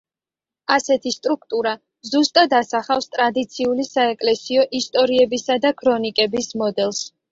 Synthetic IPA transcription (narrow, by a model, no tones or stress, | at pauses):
asɛt̪ʰist̪ʼɾuk̚ʰt̪ʼuɾa | zust̪ʼad̪asaχafst̪ʼɾad̪it̪sʰiulisaɛkʼlɛsiɔʔist̪ʼɔɾiɛbisad̪akʰɾɔnikʼɛbismɔd̪ɛlˠs